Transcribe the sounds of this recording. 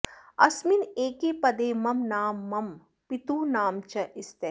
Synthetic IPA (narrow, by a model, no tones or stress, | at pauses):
ɐ̰smineːkeːpɐd̪eːmɐmnaːmːɐm | pit̪ũːnaːmt͡ʃɐʔɪst̪e